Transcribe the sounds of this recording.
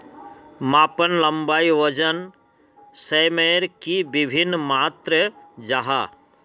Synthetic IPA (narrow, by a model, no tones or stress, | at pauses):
maːpənlə̃mbaːiʋəd͡ʒən | semeɾkibɪbʱɪnːmaːt̪ɾəd͡ʒaɦa̰